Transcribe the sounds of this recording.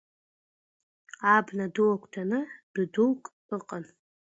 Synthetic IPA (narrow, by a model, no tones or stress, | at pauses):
abnaduwakʷʰʼtʰanɨd̥ɨdulkʼ | ɨqʼan